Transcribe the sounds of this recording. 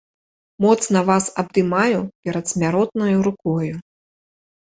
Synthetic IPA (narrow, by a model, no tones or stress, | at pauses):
mɔt̪snɐvasɐb̚d̪ɨmajupʲɛɾɐt̪sʲmʲaɾɔt̪̚nɐjuɾukɔju